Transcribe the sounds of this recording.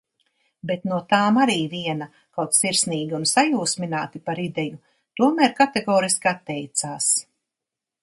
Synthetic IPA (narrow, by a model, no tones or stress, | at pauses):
bet̪nuɔt̪aːmaɾiːviɛnɐ | kawt̪siɾsniːɡʲiunsajuːsminaːt̪ipaɾid̪ɛju | t̪uɔmæːɾkat̪eɡɔːɾiskʲat̪ːɛjt̪saːs